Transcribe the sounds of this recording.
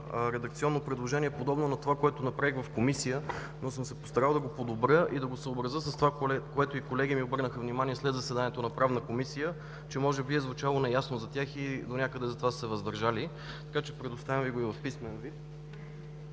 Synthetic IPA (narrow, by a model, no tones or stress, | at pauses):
ɾɛd̪ɐk̚t̪siɔnːopɾɛd̪lˠoʒɛniɛpod̪ɔbnonɐt̪ovakoɛt̪onɐpɾaiɣvɐfkomisijə | nosɤmsɛpo̥st̪ɐɾalˠd̪ɐɡopod̪obɾʲəʔid̪ɐɡosəobɾɐzəsəst̪ovakoɛt̪oikolɛɡimiobɤɾnəxəvnimaniɛslɛd̪zɐsɛd̪aniɛt̪onɐpɾavnəkomisijə | t͡ʃɛmɔʒɛbiɛzvut͡ʃalˠonɛjasnozɐt̪ʲjaxid̪onʲakəd̪ɛzɐt̪ovassɛvəzd̪ɐɾʒali | t̪ɐ̥kat͡ʃɛ̥pɾɛd̪ʊst̪avʲjəmviɡoivɐfpismɛnvit̪